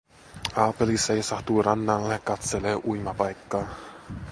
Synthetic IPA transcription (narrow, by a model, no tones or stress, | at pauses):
aːpelisejsaht̪uɾanːallekat̪sɛleʔujmapajkːa